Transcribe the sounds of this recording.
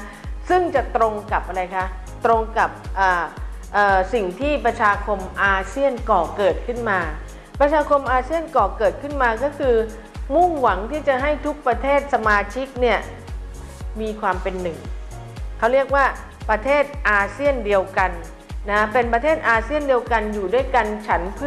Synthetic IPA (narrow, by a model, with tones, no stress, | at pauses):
sɯ˥˩ŋt͡ɕa˨˩t̪ɾo˧ŋka˨˩p̚ʔa˧ɾa˧jkʰa˦˥ | t̪ɾo˧ŋka˨˩p̚ʔaː˨˩ʔɤː˨˩si˨˩ŋt̪ʰiː˥˩pɾa˧t͡ɕʰaː˧kʰo˧mʔaː˧si˥˩ənkɔː˨˩kɤː˨˩t̪̚kʰɯ˥˩nmaː˧ | pɾa˧t͡ɕʰaː˧kʰo˧mʔaː˧si˥˩ənkɔː˨˩kɤː˨˩t̪̚kʰɯ˥˩nmaː˧kɔː˥˩kʰɯː˧ | mu˥˩ŋwa˩˦ŋt̪ʰiː˥˩t͡ɕa˨˩ɦa˥˩jt̪ʰu˦˥k̚pɾa˧t̪ʰeː˥˩t̪̚sa˧maː˧t͡ɕʰi˦˥k̚ni˥˩ɐ | miː˧kʰwaː˧mpe˧nːɯ˨˩ŋ | kʰa˦˥wɾi˥˩ək̚waː˥˩ | pɾa˧t̪ʰeː˥˩t̪̚ʔaː˧si˥˩əndi˧əwka˧nː | a˦˥pe˧npɾa˧t̪ʰeː˥˩t̪̚ʔaː˧si˥˩əndi˧əwka˧njuː˨˩du˥˩əjka˧nt͡ɕʰa˦˥npʰɯ˥